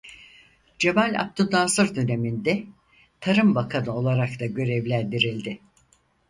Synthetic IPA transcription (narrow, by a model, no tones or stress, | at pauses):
d͡ʒemalʲa̰k̚t̪ʰud̪ansɯɾd̪yne̞mind̪ɛ | t̪ʰaɾɯmbakʰanɯo̞lˠaɾak̚t̪aɟø̞ɾɛvlʲænd̪iɾilʲd̪ɪ